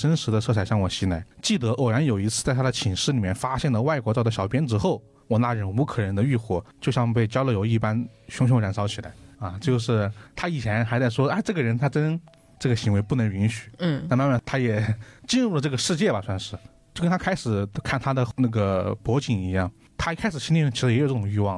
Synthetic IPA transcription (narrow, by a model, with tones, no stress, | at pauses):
ʂə˥nʂɻ̩˧˥d̪ə˧t͡sʰɤ˥˧t͡sʰa˨˩ɕjɑ˥˩ŋwɔ˨˩ɕi˧˥na˧˥ɪt͡ɕi˥˩t̪ɤ˧˥ʔo˨˩ja˧˥njo˨˩ʊi˧˥t͡sʰɹ̩˥˧t͡sa˥˩ɪa˥d̪ə˧t͡ɕʰi˨˩ŋʂɻ̩˥˩li˨˩mjɛ˥˧nfa˥ɕjɛ˥˩nd̪ə˩wa˥˩ɪkwɔ˧˥ɑ˥˧˩d̪ə˩ɕjɑ˨˩ʊpjɛ˥nʈ͡ʂɻ̩˥xo˥˩ʊ | wɔ˨˩na˥˧˩ɻə˧˥nu˧˥kʰɤ˨˩ɻə˧˥nd̪ə˧y˥˧xwɔ˥˩t͡ɕjo˥˧ʊɕjɑ˥˧ŋ˧pe˥˩ɪt͡ɕjɑ˥ʊlə˥˧˩jo˧˥ʊi˥˩pa˥nɕʊ˧˥ŋɕ̬ʊ˧˥ŋɻa˨˩nsɑ˧˥t͡ɕʰi˨˩la̰˧˥ɪa˧t͡ɕjo˥˧ʊʂɻ̩˥˧t̪ʰa˥i˨˩t͡ɕʰjɛ˧˥nxa˧˥ɪt͡sa˥˩ɪʂwɔ˥a˧˥˧ɪʈ͡ʂɤ˥˩ɡə˩ɻə˧˥nt̪ʰa˥ʈ͡ʂə˥n | ʈ͡ʂɤ˥˩ɡə˩ɕi˧˥ŋwe˧˥ɪpu˥˩nɤ˧˥ŋy˧˥nɕy̥˨˩˦a˥˧ma˥˧nma˥˧nt̪ʰa˥jɛ˨˩t͡ɕi˥˧nɻu˥˩lə˩ʈ͡ʂɤ˥˩ɡə˩ʂɻ̩˥˧t͡ɕjɛ˥˩bɐ˨˩swa˥˧nʂɻ̩˥˧t͡ɕjo˥˩ʊkə˥nt̪ʰa˥a˥ɪʂɻ̩˨˩kʰa˥˩nt̪ʰa˥d̪ə˨na˥˩ɡə˩pwɔ˧˥t͡ɕi˨˩ŋi˧˥jɑ˥˩ŋ | t̪ʰa˥kʰa˥ɪʂɻ̩˨˩ɕi˥nli˥˧˥t͡ɕʰi˧˥ʂɻ̩˧˥˨ʊ˥˩ʈ͡ʂʊ˨˩ŋy˥˧wɑ˥˩